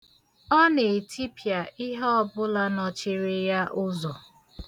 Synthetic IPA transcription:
ɔ˦ne˨e˨tʰi˦pja˨ɪ˦ɦɔ˦ɔ˦bʊ˦la˦nɔ˨t͡ʃɪ˦ɾɪ˦ja˦ʔʊ˦zɔ˨

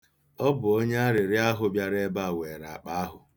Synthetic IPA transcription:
ɔ˦bʊ˨o˦ɲe˦a˦ɾɪ˨ɾɪ˦a˦ɦʊ˨bja˦ɾe˦ba˦˨we˨ɾa̰˨a˨k͡pa˦a˦ɦʊ˨

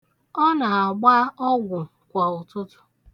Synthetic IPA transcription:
ɔ˦na˨a˨ɡ͡ba˦ɔ˦ɡʷʊ˨ | kʷa˨ʊ˨tʊ˦tʊ̥˦

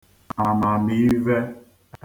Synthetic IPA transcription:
a˨mã˨mi˨˦vɛ˦

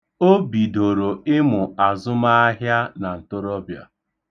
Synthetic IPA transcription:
o˦bi˨do˨ɾo˨ɪ˦mʊ˨a˨zʊ˦ma˦a˦ɦja˦na˨n̩˨tʊ˦ɾɔ˦bja̰˨

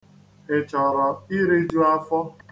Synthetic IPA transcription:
ɪ˨t͡ʃɔ˨ɾɔ˨i˦ɾi˦d͡ʒu˦a˦fɔ˦

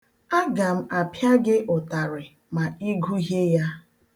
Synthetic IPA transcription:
a˦ɡa˨m̩˦a˨pja˦ɡɪ˦ʔʊ˨ta˨ɾɪ˨ | ma˨i˦ɡu˦ɦe˦ja˦

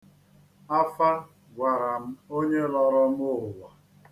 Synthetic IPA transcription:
a˦fa˦ | ɡʷa˨ɾa˨m̩˦o˦ɲe˦lɔ˦ɾɔ˦m̩˦ʊ˦ɦʊ˨wa˨

